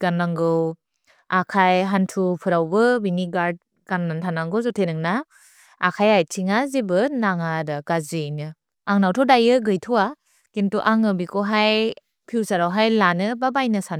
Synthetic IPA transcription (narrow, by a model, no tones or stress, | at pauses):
ɡ̥anːaŋɡɯw | akʰajɦantʰupʰɯɾawbɯbiniɡaɾd̚ | ɡ̥anːantʰanaŋɡɯwzɔtʰenɯŋna | akʰajajtʰiŋazibɯnaŋadaɡ̥azinɯ | aŋnawtʰɔdajɯɡɯjtʰuwa | kintuʔaŋɯbikʰɔɦaj | pʰiwzaɾawɦajlanɯbabajnɯsan